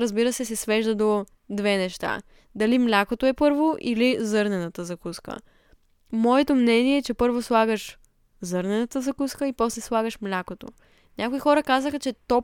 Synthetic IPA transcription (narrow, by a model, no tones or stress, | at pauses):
ɾəzbiɾəsɛs̬ɛsvɛʒd̪əd̪o | d̪vɛnɛʃt̪a̰ | d̪ɐlimlʲakot̪oɛpɤɾvoʔḭlizɤɾnɛnɐt̪əzɐkuskə̰ | mɔɛt̪omnɛniɛːt͡ʃɛpɤɾvoslˠaɡəʃ | zɤɾnɛnət̪əzɐkuskəipɔslɛslˠaɡəʃmlʲakot̪o̰ | nʲakoixɔɾəkazəxɐt͡ʃɛt̪ɔ